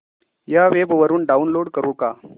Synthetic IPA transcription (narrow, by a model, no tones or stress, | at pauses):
jaʋebʋəɾuːnɖaunloɽkəɾũːka